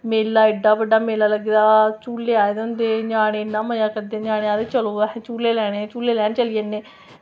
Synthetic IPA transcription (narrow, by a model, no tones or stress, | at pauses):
meːlːaːɪɖaːbəɖaːmeːlaːləɡd̪aːt͡ʃuːlːeːaːed̪eʊnd̪eːɲaːɽeːnːaːməjaːkəɾd̪eːɲaːɽẽːaːd̪eːt͡ʃəlõːt͡ʃuːleːlɛːɽ̃eːt͡ʃuːleːlɛːnẽt͡ʃəlieːneː